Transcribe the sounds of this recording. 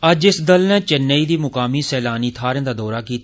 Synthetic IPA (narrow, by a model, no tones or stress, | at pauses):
əd͡ʒɪsd̪əlnɛ̃ːt͡ʃənːəiːd̪iːmʊkaːmiːsɛːlaːniːt̪ʰaːɾə̃nd̪aːd̪ɔːɾaːkiːt̪